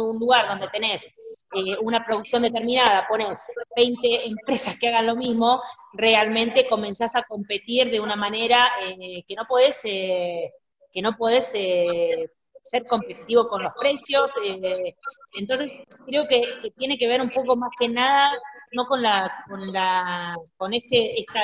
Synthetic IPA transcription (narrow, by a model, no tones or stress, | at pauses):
unluɣaɾðo̞nd̪e̞t̪e̞ne̞seunapɾoðuksjo̞nd̪e̞t̪̬eɾmĩnað̞apo̞ne̞sβejnt̪e̞ːmpɾe̞saskeaɣanlo̞mizmo̞re̞almẽnt̪e̞ko̞mẽ̞nsasako̞mpe̞t̪iɾðe̞unamane̞ɾaekeno̞pwoðese | ke̞no̞pweðese | seɾko̞mpe̞t̪it̪iβo̞ko̞nlo̞spɾe̞sjo̞se | ent̪o̞ns̬e̞skɾe̞o̞keket̪je̞ne̞ke̞β̞e̞ɾumpo̞ko̞maske̞naðano̞ko̞nlako̞nlako̞ne̞st̪eest̪a